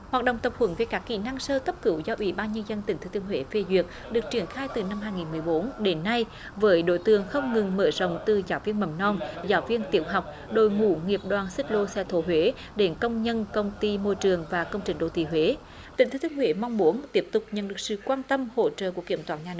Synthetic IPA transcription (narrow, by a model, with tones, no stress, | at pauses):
hwaː˨˩k̚ɗə̰˧˨wŋ͡mt̪ə˨˩p̚hwə˨˧˦nve˨˩˦jkaː˦˥kːḭ˧˩na˧ŋsəː˧t̪ə˦˥p̚kɨ˧˦wzɔ˧ʔwḭ˧˦ɓaː˧nɲə˧nzə˧nt̪ï˨˩ŋ̟t̪ɨ˨˦t̪i˧əŋhwe˧˦ve˧˩zwi˨˩ək̚ | ɗɨ˨˩ək̚t͡ɕi˧˩ənxaː˧jt̪ɨ˨˩na˧mhɦaː˧jŋi˨˩nmɨ˨˩əjɓo˨˦nɗe˨˦nːa˧j | vəː˨˦jɗo̰˧˥˦jt̪ɨ˧˨əŋxə˧wŋ͡mŋɨ˨˩ŋməː˧˩zə̰˧˨wŋ͡mt̪ɨ˨˩zaː˨˦wvi˧ənmə˨˩mnɔ˧mzaː˨˦wvi˧ənt̪ḭ˧˩əwɦa˨˩wk͡p̚ | ɗo˧˩jŋṵ˧˩ŋi˨˩əp̚ɗwaː˨˩nsɨ˦˥k̚lo˧sɛ̰˧t̪ʰo˨˦ɦwe˨˦ | ɗe˨˦nkə˧wŋ͡mɲə˧nkə˧wŋ͡mt̪i˧mo˧jt͡ɕɨ˨˩əŋvaː˨˩kə˧wŋ͡mt͡ɕï˨˩ŋ̟ɗo̰˧˩t̪ḭ˧˩ɦwe˨˦ | t̪ï˨˩ŋ̟t̪ɨ˨˦t̪i˧əŋhwe˨˦ma˧wŋ͡mmu˨˦ənt̪i˦˥əp̚t̪ʊ˨˩k͡p̚ɲə̰˧˨nɗɨ˨˩ək̚sɨ̰˧˨kwaː˧nt̪ə˧mho̰˧˩t͡ɕə̰ː˧˨ku˧˩əkːi˧˩əmt̪waː˧˨nɲaː˧nɨ˧˦